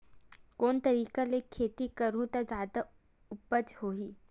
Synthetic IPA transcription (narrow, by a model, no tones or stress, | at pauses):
koːnt̪ɐɾiːkalekʰːeːt̪ikɐɾũt̪azaːd̪a | ʊpəd͡ʒhoːɦiː